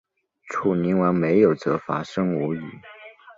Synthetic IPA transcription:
ʈ͡ʂʰu˨˩ni˧˥nwa˧˥nme˧˥ɪjo˨˩ʊt͡sɤ˧˥fa˥ʂɤ˥ŋu˧˥y̰˨˩˦

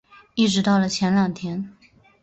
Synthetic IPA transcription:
i˥˩ʈ͡ʂɻ̩˧˥t̪ɑ˥˩ʊlə˩t͡ɕʰjɛ˧˥nljɑ˨˩ŋt̪ʰjɛ˧˥n

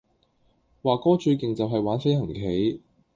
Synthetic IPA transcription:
waː˨kɔː˥t͡ʃɵ˧kɪ˨ŋt͡sɐ˨wɦɐ˨jwaː˨˥nsɐ˥hɐ˨˩ŋkʰe˨˥j

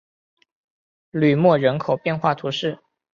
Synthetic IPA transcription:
ly˨˩mwɔ˥˩ɻə˧˥nkʰo˨˩ʊpjɛ˥˧nxwa˥˩t̪ʰu˧˥ʂɻ̩˥˩

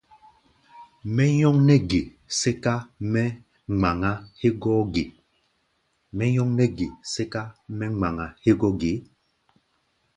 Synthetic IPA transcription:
mɛ˦ɲɔ˦ŋnɛ˦ɡe˨ | se˦ka˦mɛ˦ | ŋ͡ma˨ŋa˦he˦ɡɔ˦ɡe˨ | mɛ˦jɔ˦ŋnɛ˦ɡe˨se˦ka˦mɛ˦ŋ͡ma˨ŋa˨he˦ɡɔ˦ɡe˨˦

